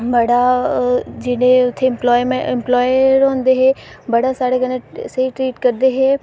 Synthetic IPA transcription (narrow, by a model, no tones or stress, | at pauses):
bɐɽa | d͡ʒɪɽẽʊt̪ʰːeɪ̃mplɔːɪmẽɪmplɔːjɾõːnd̪eɦeː | bəɽasaːɽeɡənẽsəɦiʈɾiːʈkəɾd̪eɦeː